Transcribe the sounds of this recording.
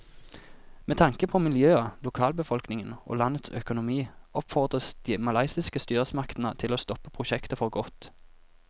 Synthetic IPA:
meːt̪ʰɑŋkəpʰɔmɪljøːəlʊkʰɑːlbəfɔlknɪŋəno̰ːlɑnət̪sœ̰kʊnʊmiːɔpfɔʁd̪ʁəsd̪̥iːmɑlɑɪsɪskəst̪yːʁəsmɑkt̪nət̪ʰɪloːst̪ɔpəpʰʁʊʃɛkt̪əfɔʁɡɔt̪

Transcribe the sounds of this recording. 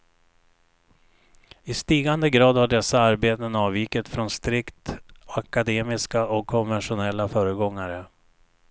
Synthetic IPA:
ɪst̪iːɡand̪əɡɾɑːd̪haɖɛsːaaɾbeːt̪ənɑːviːkət̪fɾɔnst̪ɾɪkt̪akad̪eːmɪskaʔɔkʰːɔnvɛnʂʊnɛlːafœːɾəɡɔŋːaɾə

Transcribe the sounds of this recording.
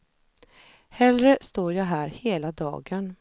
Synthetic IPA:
hɛlɾəst̪oːɾjɑɦæːɾheːlad̪ɑ̰ːɡən

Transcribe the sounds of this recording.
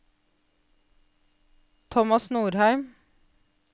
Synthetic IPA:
t̪ʰɔmɑsnuːɾhæɪm

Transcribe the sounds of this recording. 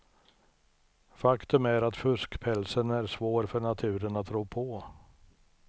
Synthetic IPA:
fakt̪ɵmæɾat̪fɵskpʰɛlsənæɾʂvoːɾfœɳat̪ʰʉ̟ːɾənat̪ʰːɾuːpʰɔ

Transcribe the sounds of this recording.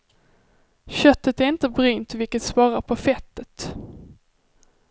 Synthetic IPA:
ɕœt̪ːət̪æɾɪnt̪əbɾyːnt̪vɪlkət̪svɑːɾaɾpʰɔfɛt̪ːət̪

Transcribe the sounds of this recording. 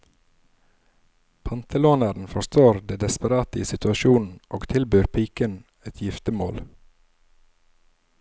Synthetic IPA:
pʰɑnt̪ʰəloːnəɾn̩fɔst̪oːɾd̪eːd̪ɛspəɾɑːt̪əiːsɪt̪ʉɑʃuːnn̩ʔoːɡt̪ʰɪlbyːɾpʰiːkən | ɛt̪ʰjɪft̪əmoːl

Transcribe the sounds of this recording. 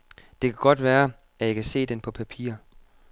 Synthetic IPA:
d̥e̝kʰæɡ̥ɒ̽d̥ʋæːɐ | æjikʰæse̝̰ːd̥enpʰɒ̽pʰæpʰḭːɐ̰

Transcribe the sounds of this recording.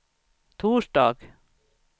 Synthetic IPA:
t̪ʰuːʂɖɑːɡ̥

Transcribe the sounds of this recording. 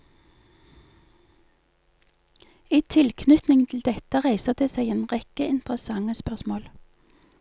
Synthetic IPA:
iːt̪ʰɪlkʰnʏt̪nɪŋt̪ʰl̩d̪ɛt̪əʁæɪsəd̪eːseɪeːnʁɛkəɪnt̪ʁəsɑŋəspœʁsmoːl

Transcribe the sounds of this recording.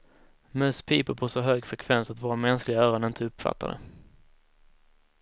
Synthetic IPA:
mœspʰiːpəɾpʰɔsɔɦøːɡfɾɛkʰvɛnsat̪voːɾamɛnsklɪɡaœːɾɔnɪnt̪ʰəɵpfa̰t̪ʰːa̰d̪ə̰

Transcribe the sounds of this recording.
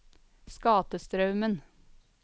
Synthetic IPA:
skɑːt̪əst̪ɾɑʉmən

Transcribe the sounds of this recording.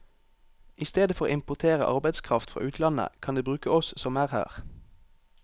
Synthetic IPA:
ʔɪst̪eːd̪əfɔʁoːɪmpʊt̪ʰeːʁəʔɑ̰ʁbæɪd̪skʰʁɑft̪fʁɑ̰ːʔʉːt̪ʰlɑnə̰kʰɑnd̪eːbʁʉːkəɔssɔmæːʁhæ̰ːʁ

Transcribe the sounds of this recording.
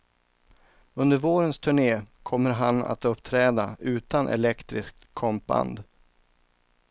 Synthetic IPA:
ɵnd̪əɾvoːɾənst̪ʰɵɳeːkʰɔmːəɾɦana̰t̪ɵpːt̪ʰɾɛːd̪aʉ̟ːt̪anʔɛ̰lɛkt̪ɾɪsk̚t̪kʰɔmp̚ba̰nd̪

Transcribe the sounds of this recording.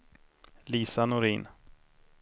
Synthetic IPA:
liːsanʊɾiːn

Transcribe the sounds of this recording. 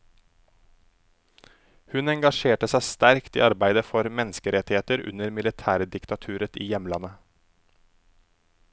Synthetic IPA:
hʉnɛŋɡɑʃeːʈəsæɪst̪æɾkt̪ḭːɑɾbæɪd̪əfɔɾmɛnəskəɾɛt̪ɪheːt̪əɾʉ̰nəɾmɪlɪt̪ʰæːɾd̪ɪkt̪ɑt̪ʰʉːɾət̪iːjɛmlɑnə

